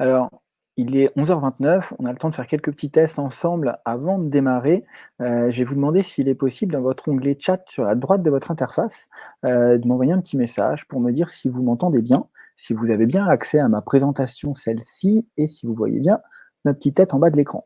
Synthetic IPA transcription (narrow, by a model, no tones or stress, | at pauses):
alɔʁ | ilɛʔɔ̃zœʁvɛ̃t̪nœfɔ̰̃nalət̪ɑ̃d̪əfɛʁkʲɛlkəpə̥t̪it̪ːɛst̪ɑ̃sɑ̃blavɑ̃d̪əd̪emaʁeøʒevud̪əmɑ̃d̪esiːlɛpɔsibləd̪ɑ̃vɔt̪χɔ̃ɡlet͡ʃat̪syʁla̰d̪ʁwat̪̚d̪əvɔt̪χɛ̃t̪ɛʁfasød̪əmɑ̃vwajeɛ̃pət̪imesa̰ʒpuʁməd̪iʁsivumɑ̃t̪ɑ̃d̪ebjɛ̃sivuzavebjɛ̃aksɛamapχezɑ̃t̪asjɔ̃sɛlsiesivuvwa̰jḛbjɛ̃ | napət̪it̪ːɛt̪ɑ̃bad̪əlekχɑ̰̃